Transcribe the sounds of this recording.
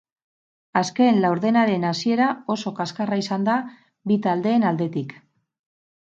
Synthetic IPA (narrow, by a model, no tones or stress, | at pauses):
aske̞nlawɾðe̞naɾe̞nasie̞ɾao̞so̞kaskaraisand̪a | bit̪ald̪e̞ːnald̪e̞t̪ik